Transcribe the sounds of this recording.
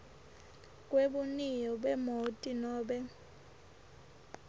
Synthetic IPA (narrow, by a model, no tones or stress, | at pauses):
kʼweɓunijɔɓɛmotʼinɔːɓɛ